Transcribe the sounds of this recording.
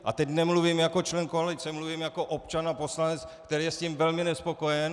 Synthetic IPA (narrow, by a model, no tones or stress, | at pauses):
ʔa̰t̪ɛcnɛmluvimjako̞t͡ʃlɛnkoalɪt͡sɛmluvimjako̞ʔopt͡ʃanapo̞slanɛt͡skt̪ɛɾiːjɛscimvɛlmɪnɛspo̞ko̞jɛn